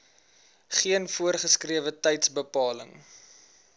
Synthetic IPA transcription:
χiənfuərχəskriəvətɛjtsbəpɑːlə̰ŋ

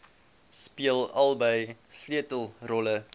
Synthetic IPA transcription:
spiəlˠɐlˠbəjsliətəlˠrɔlə

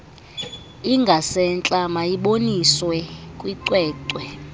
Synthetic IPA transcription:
iŋɡʱasɛnt͡ɬʼamajiɓoniswɛkʼwiǀwɛːǀwɛ

